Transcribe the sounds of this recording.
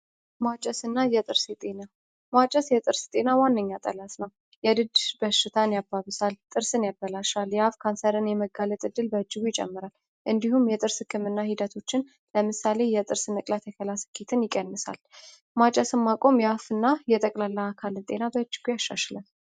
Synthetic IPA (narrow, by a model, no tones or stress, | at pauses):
mat͡ʃʼɛsɨnːajɛt̪ʼɨɾsɛt̪ʼe̞na | mat͡ʃʼɛsjɛt̪ʼɨɾst̪ʼenawanːəɲːat̪ʼə̰lasnəw | jɛd̪ɨd̪bəʃːɪt̪ʰanjabːaβɨsalt̪ʼɨɾsɨnjabːəlaʃaljɛafkʰansəɾɨnjɛməɡalət̪ʼɨd̪ːɨlbəɨd͡ʒːɪɡujɪt͡ʃʼɛ̰mːɨɾal | ʔɨnd̪ihumjɛt̪ʼɨɾsɨkʰːɨmɨnːahid̪ət̪ʰo̞t͡ʃːɪn | ləmɨsale̞jɛt̪ʼɨɾsnəkʼlat̪ʰjɛkʰəlasɨ̥kʰːet̪ʰɨnjɪkʼːənːɨsa̰l | mat͡ʃʼəsɨmmːakʼo̞mjɛafɨnːajɛt̪ʼəkʼlalːaakʰalɨnt̪ʼe̞nabəɨd͡ʒːɪɡujaʃːaʃlən